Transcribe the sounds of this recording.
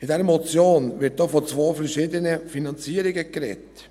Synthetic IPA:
ɪdɛɾəmɔt͡sjoːnʋɪt̚d̥ɑːfɔt͡sʋoːfɛɾʃiːd̪ənəfinɑnt͡siːəɾɪɡəkɾɛ̰t

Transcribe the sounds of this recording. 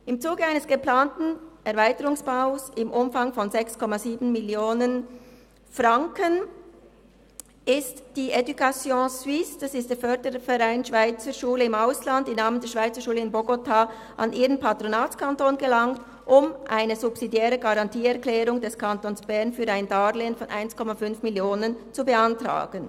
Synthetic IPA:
ɪmt͡suːɡəaɪnəsɡ̥əplaːntn̩ʔɛʁvaɪtəʁʊŋsb̥aʊsɪmʔʊmfaŋfɔnzɛkskʰɔmaziːbn̩mɪljoːnən | fʁaŋkən | ɪstd̥iːʔedukasjõːswɪsd̥asɪstd̥eːɐfœɐdəfɛʁaɪnʃv̥aɪt͡səʃuːləɪmaʊslantɪmnaːməndeɛːʃv̥aɪt͡səʃuːləɪnboɡotʰaː | ʔɑ̰nʔiːʁənpʰatʁonaːtt͡skʰantoːnɡəlaŋt | ʔʊmʔaɪnəzubsidjɛːʁəɡaʁɑntiːɛɐklɛːʁʊŋdɛskʰantonsb̥ɛɐnfyːɾaɪndaːleːənfɔnʔa̰ɪnskʰɔmafʏnfmɪljoːnənt͡subəantʁa̰ːɡ̥ən

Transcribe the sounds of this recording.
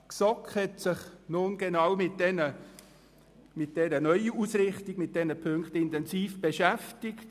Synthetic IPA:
ksɔkχhɛtsɪχnʊnɡ̥ɛnɑwmɪt̚dɛnə | mɪt̚d̥ɛɾənœʏəusɾɪχtɪɡmɪt̚d̥ɛnəpʰɵŋkχtɪntɛnsiːfb̥ɛʃæftɪkt

